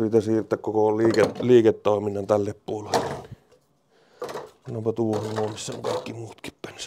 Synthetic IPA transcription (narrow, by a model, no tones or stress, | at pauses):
rit̪æsiːrt̪ːækkokolliːkeliːket̪toˑeminːɑnt̪ælːeppuolelːeenni | sɑnompɑt̪uhɑnnuɑmisːæo̰ŋkɑˑikːimuːt̪ki̥ppæns